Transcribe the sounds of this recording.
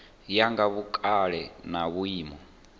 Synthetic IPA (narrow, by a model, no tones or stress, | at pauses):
jaŋɡaβukʼaɺɛnaβuiːmɔ